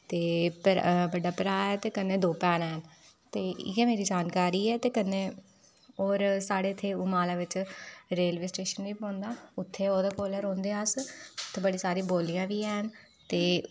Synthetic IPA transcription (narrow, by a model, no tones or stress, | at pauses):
t̪eːpɾbəɖaːpəɾaːɛːt̪eːkənẽːd̪oːpɛːnɛːɦən | t̪eːɛːmeːɾiːd͡ʒaːnkaːɾiːɛːt̪eːkənːẽː | oːɾsaːɽeːt̪ʰːeːuːmaːlaːʋɪt͡ʃɾeːlʋiːsʈeːʃənʋiːpɔ̃ːnd̪aːʊt̪ʰːeːoːd̪aːkoːləɾõːnd̪eːasʊt̪ʰːeːbəɽiːsaːɾĩːboːlɪjãːʋiːɛːɦən | t̪eː